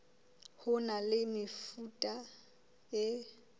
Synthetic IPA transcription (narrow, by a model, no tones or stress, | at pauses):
hʊnalɪmɪfutʼa | ɪ